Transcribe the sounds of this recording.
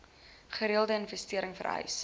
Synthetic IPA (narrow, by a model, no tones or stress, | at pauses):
χəɾiəlˠdəənfɛstiəɾəŋfə̰rɦœ̰ɥs